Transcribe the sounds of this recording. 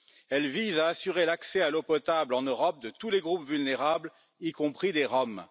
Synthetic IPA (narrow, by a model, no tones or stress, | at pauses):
ɛlvizaːsyʁelaksɛalopɔt̪ablɑ̃nøʁɔp̚d̪ət̪uleɡʁupvylneʁabl | ikɔ̃pχid̪eʁɔm